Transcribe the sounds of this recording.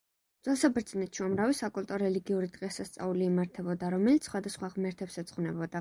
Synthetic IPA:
z̥wɛlˠsabɾd̪znɛt̪ʃiamɾavisakʼulˠt̪ʼɔɾɛliɡiuɾid̪ʁʼɛsast̪sʼa̰uliːmaɾt̪ʰɛbɔd̪aɾɔmɛlit̪ssχwad̪asχwaʁmɛɾt̪ʰɛpsɛt̪sʼqʼχnɛbɔd̪ad

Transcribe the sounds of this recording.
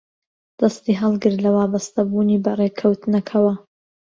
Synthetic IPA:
d̪̥ɐst̪iːɦɐlˠɡɨɾlɐwaːbɐst̪ɐbuːniːbɐreːkʰɐwt̪ɨnɐkʰɐwɐ

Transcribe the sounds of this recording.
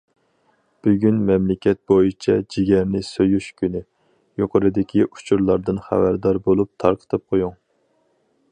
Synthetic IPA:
b̥yɡʲynmɛmlɪkʲɛt̪̚bojit͡ʃʰɛd͡ʒiɡʲɛɾnɪsøjyʃkʲynɪ | joqʰəɾɨd̪ɪkʲiʔu̥t͡ʃʰuɾlˠɑɾd̪ɨnχæ̰væɾd̪ɑɾbolˠup̚t̪ʰɑɾqʰə̥t̪ʰɨp̚qʰojuŋ

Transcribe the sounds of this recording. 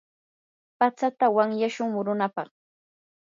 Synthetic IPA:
pat͡sat̪awaŋjaʃʊŋmʊɾʊnapɑχ

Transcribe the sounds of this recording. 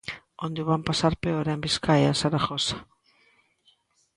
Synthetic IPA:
ond̪eβampasaɾpeoɾambiskajasaɾaxosḁ

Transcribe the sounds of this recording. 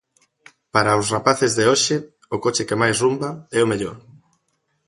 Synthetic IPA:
paɾaʊsrapaθɪzðeoʃɪ | ʊkot͡ʃɪkemajsrumbaɛʊmeʎo̰ɾ

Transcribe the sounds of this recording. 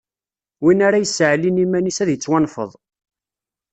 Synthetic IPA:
winaɾajəsːʕlinimænisæðjət͡sːwænfə̰ðˤ

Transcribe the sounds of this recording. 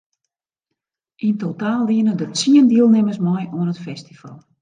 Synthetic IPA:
ʔintotaːlˠːiənədətsiəndiəlˠnɪməsmɔjuənətfɛsti̥fa̰lˠ

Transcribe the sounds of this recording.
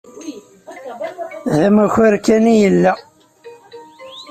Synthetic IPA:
ðəmæçəɾkænijəlːæ

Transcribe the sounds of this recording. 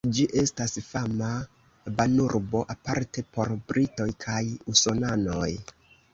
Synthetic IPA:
d͡ʒiʔe̞stasfama | banuɾbo̞ʔapaɾte̞po̞ɾbɾito̞jkʰajuso̞nano̞j

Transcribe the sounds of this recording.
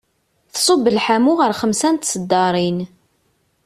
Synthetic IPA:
θsˤobːəlħamʊʁəɾχəmsænt̪səd̪ːɑɾˤin

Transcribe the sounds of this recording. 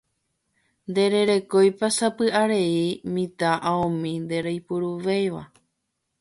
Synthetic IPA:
nd̪e̞ɾe̞ɾe̞ko̞jpasapɨʔaɾe̞imĩt̪aʔaõmĩnd̪e̞ɾajpuɾuʋejʋa̰

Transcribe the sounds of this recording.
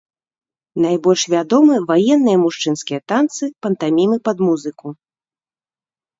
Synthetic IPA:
najbɔlʲʂvʲad̪ɔmɨvajɛnːɨjɐmuʂt͡ʂɨnskʲijɐt̪ant̪sɨpɐnt̪amʲimɨpɐd̪muzɨku

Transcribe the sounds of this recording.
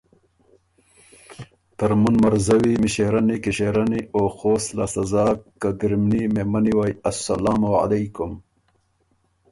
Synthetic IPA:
t̪ɐɾmunmɐɾzɐwimiɕeɾɐnikiɕeɾɐnioːxoːsla̰sɐzaːkkːaɡɾimnimemɐniwaːjɐsːɐ̰laːmowa̰lejkʊm

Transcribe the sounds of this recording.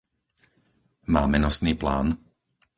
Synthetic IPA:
maːmɛnɔsniːpla̰ːn

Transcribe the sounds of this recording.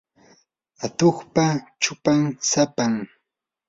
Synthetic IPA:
at̪oχpat͡ʃʊpaŋsapaŋ

